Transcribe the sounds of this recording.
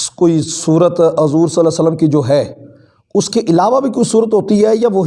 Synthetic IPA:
koːisuːɾət̪ɦɐzuːɾsələsələmkid͡ʒoːɦɛː | ʊskeʔɪlaːʋabʱikoːisuːɾət̪ɦoːt̪iɦɛːjaʋoɦ

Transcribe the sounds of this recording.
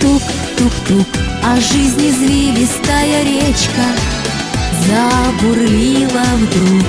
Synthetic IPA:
t̪uk | t̪ukt̪ukɐʐɨzʲnʲɪzlʲilʲɪst̪ajəɾʲet͡ɕkə | zɐbʊrlʲilˠəvd̪ɾuk

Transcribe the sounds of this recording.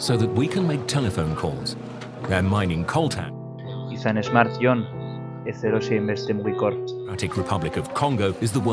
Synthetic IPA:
səʊðət̚wikʰə̃nmeɪk̚tʰɛləfõʊ̃nkʰɔ̰ːlˠz̥ | ðəmãɪ̃nɪ̃ŋkʰɔlˠtʰã̰n | iθanezmaɾt̪jon | eθeɾoseimbest̪emwijkoɾt̪ɹ̥aɾɪkʰɹɨpʰʌblɪkəv̥kʰɒ̃ŋɡoʊɪzðəwɜ

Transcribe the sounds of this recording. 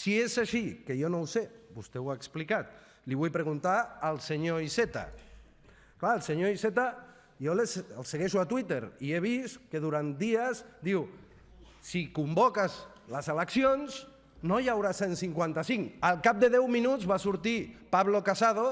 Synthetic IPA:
siezaʃikejonowsebust̪ewaeksplikat̪̚ | liβ̞ujpɾeɣunt̪aəlˠseɲoiset̪a̰ | klaəlˠseɲoiset̪a | jolesəlˠseɣeʃuat̪wit̪eɾieβ̞iskeðuɾant̪̚d̪iəsd̪iw | sikumbokaz | ləzələksionz | nojawɾasensiŋkwant̪asiŋəlˠkap̚d̪eðɛwminuzβasuɾt̪ipaβlokasað̞o

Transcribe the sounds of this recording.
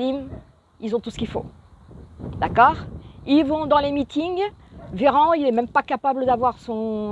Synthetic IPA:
im | ilzɔ̃t̪usə̥kʲilfõ̰ | d̪akɔːʁilvɔ̃d̪ɑ̃lemit̪iŋveʁɑ̃ilɛmɛ̃mpakapabləd̪avwaʁsɔ̃

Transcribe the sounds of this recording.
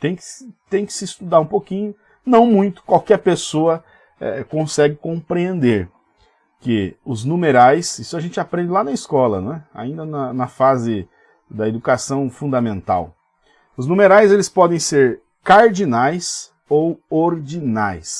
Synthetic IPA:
t̪ẽj̃kɪ̥st̪ẽj̃kɪ̥sɪːst̪ud̪aɾũpokĩɲʊ | nɐ̃w̃mũj̃t̪ʊ̥kwawkɛɾpesoɐ | ɛ̰kõsɛɡɪkõpɾiẽnd̪eɾ | kɪʊznũmeɾajsisʊaʒẽnt͡ʃɪapɾẽnd͡ʒɪlanɐɪskɔlɐ̰ñɛa̰ĩnd̪ɐnɐnɐfazɪ | d̪ɐed̪ukasɐ̃w̃fũnd̪ɐmẽnt̪a̰w | ʊznũmeɾajzelɪspɔd̪ẽj̃seɾ | kaɾd͡ʒinajs | owoɾd͡ʒinajs

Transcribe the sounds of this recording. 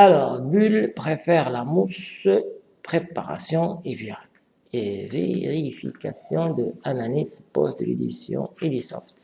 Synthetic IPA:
alɔʁɡylpχefɛʁlamus | pχepaʁa̰sjɔ̃e | evḛʁifḭkasjɔ̃d̪əanalizpɔstd̪əled̪isjɔ̰̃ed̪isɔ̰ft̪

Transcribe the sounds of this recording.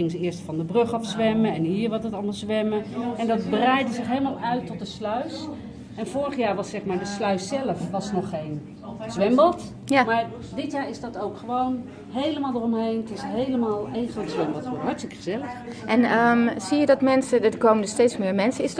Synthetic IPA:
ɪŋəzəɪəɹstfɑndəbrɵχɑfsʋɛməɛnɦiːɹʋɑtətɑlˠmɑlˠzʋɛməɛndɑt̚bərɛjdəzɪχɦejləmaːlˠœɥtɔt̚dəslœɥs | ɛnfʊːɹəχjaːɹʋɑsːɛχmaːɹdəslœɥsɛləfʋɑsnɔχːejn | z̥ʋɛmbɑlˠt | jamaːɹ | dɪtjaːɹɪzdɑtowkχəʋown | ɦejləmaːlˠdərɔmɦejnətɪsɦejləmaːlˠenχrotsʋɛmbɔlˠtːɦɑɹtstɪkə̥χəzɛləx | ʔɛnəmz̥ijədɑtmɛnsəədkowməndəstejtsmɪːɹmɛnsəɪs

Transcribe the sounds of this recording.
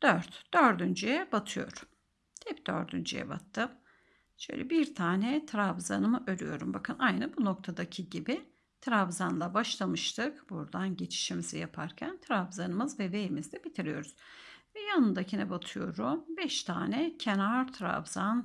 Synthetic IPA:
d̪̥øɾt̪d̪̥øɾd̪ynd͡ʒyjɛbat̪ʰɯjo̞̰ɾum | t̪ʰɛp̚d̪̥ø̰ɾd̪y̰nd͡ʒy̰jɛ̰ba̰t̪ʰːɯm | ʃø̰jlʲɛbiɾt̪ʰaːnɛt̪ʰɾavza̰nɯmɯʔøɾʲyjo̞̰ɾumbakʰɯnʔajnɯbuno̞k̚t̪ʰad̪acʰiɟibi | t̪ʰɾavzanlˠabaʃlˠamɯʃt̪ʰɯkb̥uɾd̪anɟe̞t͡ʃʰi̥ʃimizijapʰaɾcʰænt̪ʰɾavzanɯmɯzvɛve̞jimizd̪ɛbit̪ʰiɾijo̞ɾuz̥ | vɛjanɯnd̪acʰinɛbat̪ʰɯjo̞ɾumbɛʃt̪ʰaːnɛcʰenaɾt̪ʰɾa̰vz̥an

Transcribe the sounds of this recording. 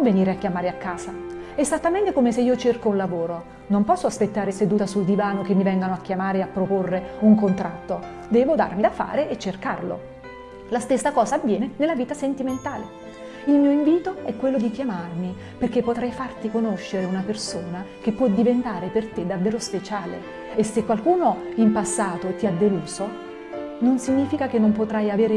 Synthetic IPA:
vːeniːɾeakːjamaːɾeakːaːza | ezat̪ːament̪ekomeseiːot͡ʃerkounlavoːɾo | nompɔsːoaspet̪ːaːɾesed̪uːt̪asuld̪ivaːnokemːivɛŋɡanoakːjamaːɾeapːɾoporːeuŋkont̪ɾat̪ːo | d̪ɛːvod̪a̰rmid̪afːa̰ːɾeʔːt͡ʃːerka̰rlo̰ | last̪esːakɔːzaːvːjɛːnenelːaviːt̪asent̪iment̪aːle | ilmiːoiɱviːt̪oɛkːwelːod̪ikjamarmi | perkːepːot̪ɾajfart̪ikonoʃːeɾeunapersoːnak̟epːwɔd̪ivent̪aːɾepert̪ed̪avːeːɾospet͡ʃaːlḛ | esːekːwalkuːnoimpasːaːt̪oet̪ːiad̪ːeluːso | nonsiɲːiːfikakenːompot̪ɾajaveːɾe

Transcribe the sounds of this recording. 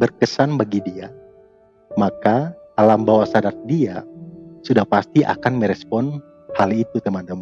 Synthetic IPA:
bərkəsanbaɡidia | makaː | lambawasadat̪̚diasudahpast̪iʔa̰kanməɾɛspɔn | halit̪ut̪əmant̪əma

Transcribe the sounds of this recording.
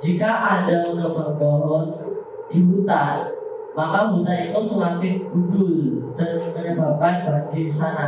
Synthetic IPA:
d͡ʒikaʔadaunəbərt̪ɔɾɔn | d̥imut̪a | makamut̪ait̪usəŋapɪk̚ɡ̥udʊldarukəɲəbap̚anbad͡ʒiisana

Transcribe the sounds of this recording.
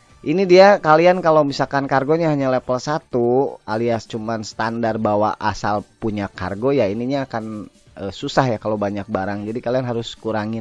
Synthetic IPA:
ʔinidiakaliankalowmisalkankarɡoɲaɦaɲalɛpəlsat̪ualiast͡ʃumansə̥t̪andarbawa̰ʔa̰salpuɲaka̰rɡojainiɲaːkan | əsusahjakalowbaɲak̚baɾaŋd͡ʒadikalianɦaɾʊskuɾaŋɪ

